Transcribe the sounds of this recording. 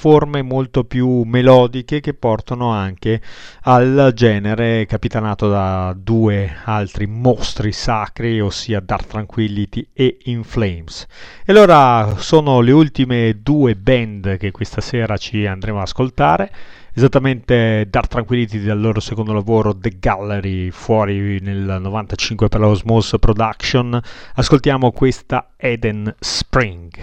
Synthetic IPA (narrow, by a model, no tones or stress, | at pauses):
formemolt̪opjumelɔːd̪ikek̟epːɔrt̪anoaŋkeald͡ʒɛːneɾekapit̪anaːt̪od̪ad̪uːealt̪ɾimost̪ɾisakɾiosːiːad̪art̪ːɾaŋkwilːit̪ieiɱflejmsealːoːɾasoːnoleult̪imed̪uːebɛnd̪k̟ekːwest̪asɛːɾat͡ʃiand̪ɾemoaskolt̪aːɾeː | zat̪ːament̪ed̪art̪ːɾaŋkwilːit̪id̪alːoːɾosekond̪olavoːɾod̪eɡalːeɾifwɔːɾinelnovant̪at͡ʃiŋkweperlozmospɾod̪akʃonaskolt̪jaːmokwest̪a̰ | ɛd̪enspɾiŋɡ